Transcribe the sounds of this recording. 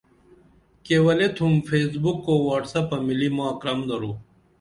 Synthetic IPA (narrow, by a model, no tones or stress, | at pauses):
kewɐlet̪ʰumfeːsbukːowaːʈsɐpɐmilimãːɐkɾɐmd̪ɐɾuː